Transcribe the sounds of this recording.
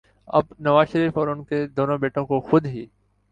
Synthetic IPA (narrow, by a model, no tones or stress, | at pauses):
ɐ̰bnɐʋaːzʃəɾiːfɔːɾʊnked̪oːnõbeːʈõkoxʊd̪ɦiː